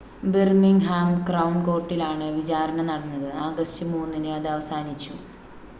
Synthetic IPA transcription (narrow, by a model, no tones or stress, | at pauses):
birmiŋɦaːmkrɐwɳko̞ːrʈːilaːɳɨʋit͡ɕaːɾɐɳɐnɐɽɐnːɐðɨaːɡɐstɨmuːnːinɨɐðɨɐʋɐsaːnit͡ɕːu